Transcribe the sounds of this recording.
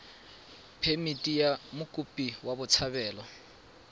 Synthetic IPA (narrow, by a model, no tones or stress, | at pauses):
pʰemitʼijamʊkʼupʼiwabʊt͡sʰaβɛːlɔ